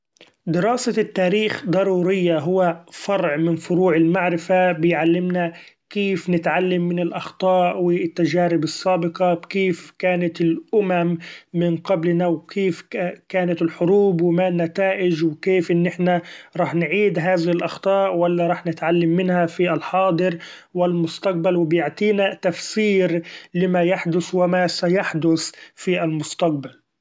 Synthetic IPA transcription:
d̪ɪɾɑːsat̪ːaːɾiːxd̪ˤɑɾˤuːɾɪjːaɦʊwːafɑɾˤʕmɪnfʊɾuːʕɪlmaʕɾɪfabɪjʕalːɪmnakeːfnɪt̪ʕalːamːɪnɪlʔɑxt̪ˤɑːʔwɪt̪ːaʒaːɾɪbɑsˤːɑːbɪqɑkeːfkaːnat̪ɪlʔʊmamːɪnqɑblnawkʰeːfkaːnat̪ɪlħʊɾuːbwɪmanːat̪aːʔɪd͡ʒwkeːfʔɪnːɪħnaɾˤɑːħnʕiːd̪ɦaːðɪhɪlʔɑxt̪ˤɑːʔwalːaɾˤɑːħnɪt̪ʕalːamːɪnhafiʔalħɑːd̪ˤɨɾwɪlmʊst̪ɑq̚balwɪbjaʕt̪ˤiːnat̪afsiːɾlɪmajaħd̪ʊswɪmasajaħd̪ʊsfiʔalmʊst̪ɑq̚bal

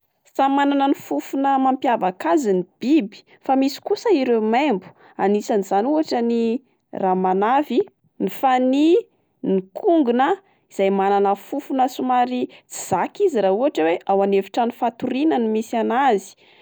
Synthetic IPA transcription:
samananənifufunəmampjavakazinib̥ibi̥ | famisi̥kusəiɾemembu̥ | anisaniz̥anuɦaʈ͡ʂəni | ramanavi | nifani | nikʰuŋɡunə | iz̥ajmananəfufunəsumaɾit͡si̥z̥akiziɾauɦaʈ͡ʂəweʔawaneviʈ͡ʂanifat̪uɾinənimisanazi̥

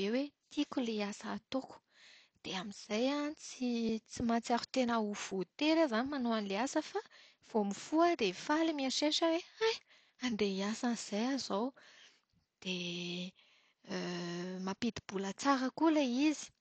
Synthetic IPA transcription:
ewet̪ʰikuleasaːt̪oku̥ | d̪̥eamiz̥ajanit͡sit͡simat͡siaɾu̥t̪enauv̥ot̪eɾazanimanoanileasəfa | v̥omifuəd̪efalimiaʃeʃəweaj | and̪eiasanz̥ajazow | d̪̥e | mapid̪ib̥ulət͡saɾəkuleizi̥

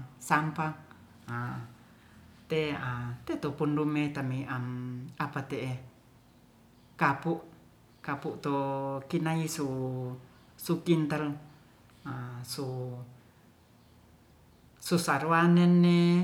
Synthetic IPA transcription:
sampaŋ | a | t̪eat̪et̪opundumet̪amiʔamapat̪eʔe | kapuʔ | kapuʔt̪okinaisu | sukint̪al | asu | susaɾuanenːe

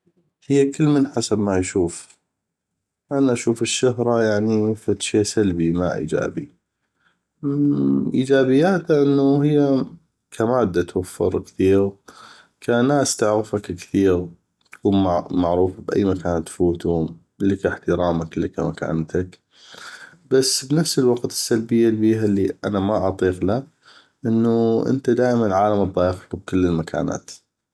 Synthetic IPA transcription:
hɪjːakɪlːmɪnħasabmajʃuːf | ʔanaʔaʃuːfɪʃːʊɦɾˤɑjaʕnifat̪ʃeːʔsalbimaʔḭːd͡ʒa̰ːbi | ʔiːd͡ʒaːbɪjːaːt̪aʔɪnːuhɪjːa | kʰamaːd̪ːat̪wafːɪ̰ɾˤkθiːɣ | kʰanaːst̪aʕɣɪfakkθiːɣ | t̪kuːnmamaʕɾuːfabʔa̰jːmakaːnt̪fuːt̪hʊm | lɪkaħt̪əɾˤɑːmaklɪkamaka̰ːnt̪ak | b̥asːbnafsɪlwɑqt̪ɪ̥sːalbɪjːalbiːɦalːiʔanamaʔɑt̪ˤiːqla | ʔɪnːuʔɪ̰nt̪ad̪aːʔmanʕaːlamd̪ˤɑːjɪxlub̚kɪlːɪlmakʰa̰ːna̰ːt̪

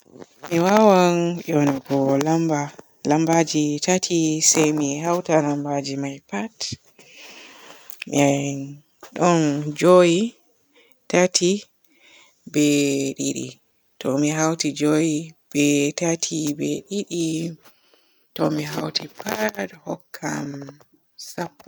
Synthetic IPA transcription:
miwawanʔɔnaɡɔlamba | lambad͡ʒitatʰisajmiɦawtalambad͡ʒimajpat | ɛn | ɗɔnd͡ʒoji | tatʰi | bɛɗiɗḭ | tɔmiɦawtid͡ʒojib̥ɛtatʰibɛɗiɗi | tɔmiɦa̰wtipathɔkʰːa̰m | sapːɔ

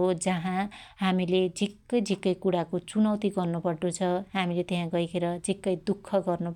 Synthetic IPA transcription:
od͡zʌɦãɦamiled͡zʱikːʌjd͡zʱikːʌjkuɽakot͡sunʌwt̪iɡʌrnupʌɽɖot͡sʰʌɦamilet̪eɦãɡʌikʰeɾʌd͡zikːʌjd̪ukʰːʌɡʌrnup

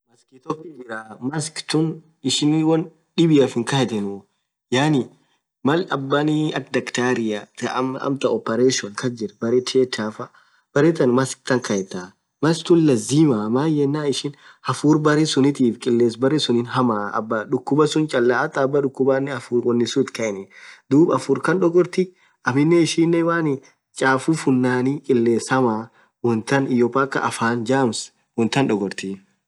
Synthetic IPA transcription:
mɐskɪt̪ɔkːɪd͡ʒɪɾamɐskt̪ʊn | ɪʃɪnwɔn | ᶑɪbɪɐfɪŋkɐhɛt̪ɛnʊ | jaːnɪ | mɐlɐbːɐniɐkd̪ɐkt̪aːɾɪjat̪ɐɐ̰mt̪ɐɔpːɛɾeʃɔnkʰɐd͡ʒɪɾbɐɾet̪ʰeːt̪aːfɐ | b̥ɐɾeːt̪ɐnmɐsk̚t̪ɐŋkɐɛt̪a | mɐskt̪ʊnlɐziːmamaːjɛnːaːɪʃɪn | hɐfuːɾbɐɾɛsʊnɪt̪iːfkʼɪlːeːsbɐɾɛsʊnɪnɦɐmaːɐ̰bːɐᶑʊkːʊbɐsʊnt͡ʃʼɐlːaːʔɐt̪ʼːɐːbːɐᶑʊkːʊbaːnːɛɐfuːɾwɔnːɪsuːt̪kɐʔɪnɛd̪uːbɐfuːɾkɐnɗɔɡɔɾt̪ɪ | ʔɐmɪnːɛɪʃiːnːɛwaːnɪ | t͡ʃʼaːfufʊnːaːnikʼɪlːe̞ːshɐmaː | wɔnt̪ɐnɪjoːpʼaːkːɐ̰ʔɐfaːnd͡ʒaːms | wɔnt̪ɐnᶑɔɡɔɾt̪i

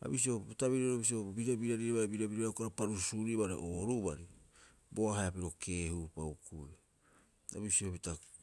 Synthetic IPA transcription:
a̰bis̬iobitaβiɾaoɾobis̬iobiɾabiɾaɾiaβaɾebiɾabiɾakaɾopaɾusuɾiβaɾḛʔoɾubaɾi | boaɦajapiɾo̞kʰe̞hupawkuj | a̰βisiobita

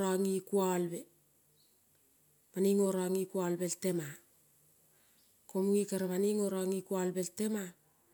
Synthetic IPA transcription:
ɾaŋikualbe | maniŋo̞ɾaŋikualbelte̞ma | komuŋikaɾaβaniŋo̞ɾaŋikualbe̞lte̞ma

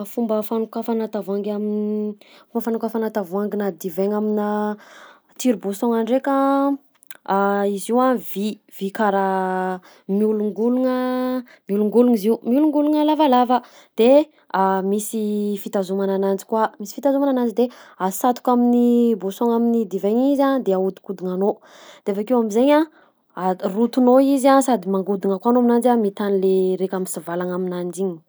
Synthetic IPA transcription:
fumbəfanukafanat̪avaŋɡaminfumbəfanukafanat̪avuaŋɡinad̪iveŋamina | t̪iɾubusoŋaɳɖ͡ʐekə | iziwavi | v̥ikaɾa | miuluŋɡuluŋə | miuluŋɡuluŋiziumiuluŋɡuluŋəlavalavə | d̪̥e | amisifit̪azumananand͡zi̥kwamisi̥fit̪azumananand͡ʒid̪easat̪u̥kaminibosoŋaminid̪iveɲizad̪eaud̪i̥kud̪iŋano | d̪̥eafakewamizeɲa | arut̪unoizasad̪imaŋɡud̪iŋəkwanoaminand͡ʒamit̪anileɾekʲamisivalaŋaminand͡ʒiɲi̥

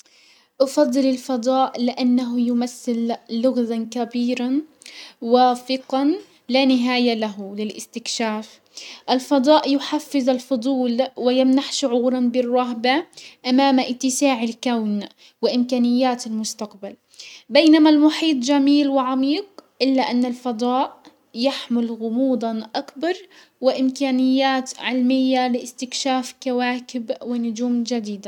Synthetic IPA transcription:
ʔɑfɑd̪ˤːɨlɪlfɑd̪ˤɑːʔlɪʔanːaɦʊjʊmaθːɪlːʊɣðankabiːɾa | waːfɪqɑn | lanɪɦaːjalaɦʊlɪlʔɪ̰st̪ɪkʃaːf | ʔalfɑd̪ˤɑːʔjʊħafːɪðalfʊd̪ˤuːlwɪjɪmnaħʃʊʕuːɾˤɑnbɪrˤːɑɦbaʔamaːmʔɪt̪ːɪsaːʕalkawn | wɪʔɪmkaːnɪjːaːt̪almʊst̪aqbal | bejnamalmʊħiːt̪ˤd͡ʒamiːlwɪʕamiːqʔɪlːaʔanːalfɑd̪ˤɑːʔ | jaħmɪlɣʊmuːd̪ˤɑnʔakbɑɾˤ | wɪʔɪmkaːnɪjːaːt̪ʕɪlmɪjːalɪʔɪst̪ɪkʃaːfkawaːkɪbwɪnʊd͡ʒuːmd͡ʒad̪iːd̪a

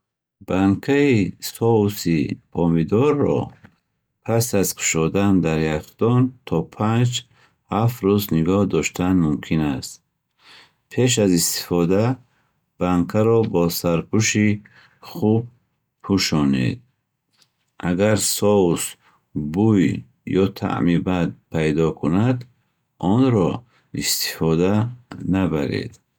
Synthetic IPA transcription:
b̥aŋkʰaisɔusibɔmid̪ɔɾːɔ̰ | pʰasazkʰu̥ʃɔd̪and̪aɾjakd̪̥ɔnt̪ʰɔpʰand͡ʒ | hafɾuzniɡɔhd̪ɔʃt̪ʰanmumkʰinast̪ | pʰe̞ʃ̬azist̪i̥fɔd̪a | b̥aŋkʰaɾɔbɔsaɾpʰuʃi | χub̚ | pʰuʃɔnḛd̪̚ | aɡaɾsɔus | buj | jɔt̪ʰa̰ʔmibad̪̚pʰajd̪ɔkʰunad̪ | ɔnɾɔ | ist̪i̥fɔd̪anabaɾḛd̪

